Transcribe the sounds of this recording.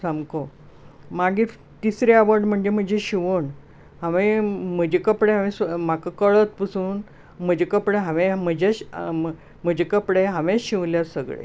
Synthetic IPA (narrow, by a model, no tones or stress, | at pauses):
samko | maɡi | t̪isɾeaʋəɖm̤əɳd͡ʑem̤əd͡ʑeɕiʋoɳ | ɦaʋem̤əd͡ʑekəpɽeɦãʋẽsmakəkəɭət̪̚pəsuːn | m̤əd͡ʑekəpɽeɦãʋẽm̤əd͡ʑeɕ | m̤əd͡ʑʱekəpɽeɦaʋeɕĩʋljasəɡɭḛ